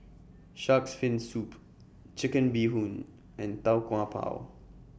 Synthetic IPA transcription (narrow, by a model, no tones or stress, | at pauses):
ʃaksfɪ̃nsup | t͡ʃɪkə̃nbiɦũn | ʔɛ̃nt̪awkw̃ãpʰa̰ʊ